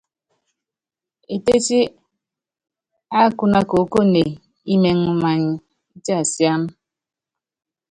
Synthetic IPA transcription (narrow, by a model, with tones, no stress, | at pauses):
e˨te˦t͡ʃi˦ | a˦ku˦na˦ko˨˦ko˦ne˨ | i˦me˨ŋu˦ma˨ɲ˦ | i˦ti˦a˨sja˦m˦